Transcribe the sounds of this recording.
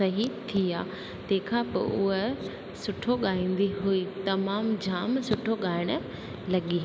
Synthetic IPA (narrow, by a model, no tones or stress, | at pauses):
ɐɦit̪ʰia̰ː | t̪ẽːkʰãpɐ̰ʔʊ̰ɦe | sʊʈʰoɠaːĩːn̆d̪iɦuit̪ɐmaːmd͡ʑʱaːmsʊʈʰoɠaːɪɽ̃ʊ | lɐɠiɦ